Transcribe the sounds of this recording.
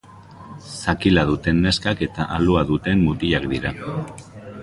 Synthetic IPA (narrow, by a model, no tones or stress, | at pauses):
sakilað̞ut̪e̞nːe̞skake̞t̪aʔaluaðut̪e̞mːut̪iakd̪iɾa